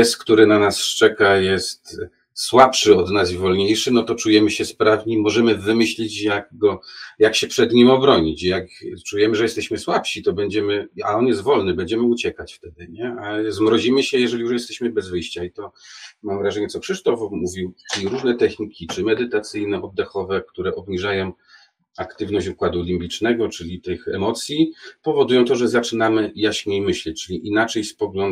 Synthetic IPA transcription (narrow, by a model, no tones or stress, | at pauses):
ɛskt̪uɾɘnanast͡ʂɛkajɛst̪ | swapʂɘɔd̪nazivɔlɲejʂɘnɔt̪ɔt͡ʂujɛmɘɕɛspɾavɲimɔʐɛmɘvɘmɘɕlʲit͡ɕjaɡɡɔjakɕɛpʂɛd̪ɲimɔbɾɔɲit͡ɕjakt͡ʂujɛmɘʐɛjɛst̪ɛɕmɘswapɕit̪ɔbɛɲd͡ʑɛmɘa̰ɔnjɛst̪vɔlnɘbɛɲd͡ʑɛmɘut͡ɕɛkat͡ɕft̪ɛd̪ɘɲɛazmɾɔd͡ʑimɘɕɛjɛʐɛlʲijuʂjɛst̪ɛɕmɘbɛzvɘjɕt͡ɕait̪ɔmamvɾaʐɛɲɛt̪sɔxʂɘʂt̪ɔfmuvʲiwiɾuʐnɛt̪ɛxɲikʲit͡ʂɘmɛd̪ɘt̪at̪sɘjnɛʔɔd̪ːɛxɔvɛkt̪uɾɛʔɔbɲiʐajɔ̃w̃ | akt̪ɘvnɔɕd͡ʑukwad̪uɔlʲimbʲit͡ʂnɛɡɔt͡ʂɘlʲit̪ɘxɛ̰mɔt̪sʲjipɔvɔd̪ujɔ̃t̪ɔʐɛzat͡ʂɘnamɘjaɕɲejmɘɕlɛt͡ɕt͡ʂɘlʲiʔinat͡ʂɛjspɔɡlɔn